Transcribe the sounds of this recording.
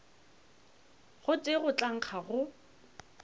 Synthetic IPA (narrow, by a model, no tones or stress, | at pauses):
χʊt͡sʼeɣʊt͡ɬʼaŋ̩χʰaɣʊ